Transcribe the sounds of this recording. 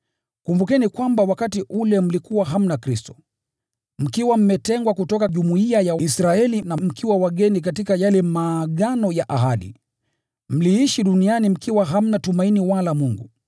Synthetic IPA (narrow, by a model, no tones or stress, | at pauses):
kumbukɛnikwambawakatiʔulɛm̩likuwaɦam̩nakɾistɔ̥ | m̩kiwam̩mɛtɛŋɡwakutɔk̬aʄumuiajaisɾaɛlinam̩kʰiwawaɠɛnik̬atikajalɛmaːɠanɔjaʔaɦaɗḭ | m̩liiʃiɗunianim̩kiwaɦam̩natumainiwalamuŋɡṵ